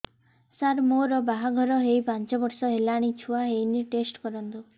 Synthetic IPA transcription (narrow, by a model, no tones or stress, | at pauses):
saɾmoɾɔbaɦaɡʱɔɾɔɦejpant͡ʃɔbɔɾsɔɦelaɽ̃it͡ʃʰuaɦejniʈesʈkɔɾɔnt̪u